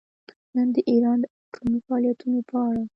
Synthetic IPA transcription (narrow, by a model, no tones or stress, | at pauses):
nənd̪əʔiɾɑnd̪əaʈʰomifaɑljat̪unopəaɽa